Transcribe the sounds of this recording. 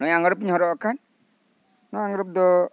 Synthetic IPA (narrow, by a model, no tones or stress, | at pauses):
nɔjaŋɡɔɾɔp̬iɲɦɔɾɔʔɔkʰan | nɔjaŋɡɔɾɔp̚d̪ɔ